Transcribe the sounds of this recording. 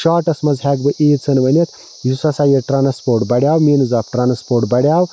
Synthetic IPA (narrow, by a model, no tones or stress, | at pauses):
ʃaːʈɐsmɐzɦɛɡbɨʔiːt͡sʰɨnbʱɐnʲɐt̪ʰ | jusɐsaːjeʈɾaːnɐspoːɾʈbɐɽʲjaːwminɨzapʰʈɾaːnɐspoːʈbɐɽʲjaːw